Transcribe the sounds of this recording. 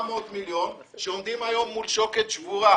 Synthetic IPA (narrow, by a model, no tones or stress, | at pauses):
mot̪miljon | ʃeomd̪imajo̞mːulʃoket̪ʃvuʁa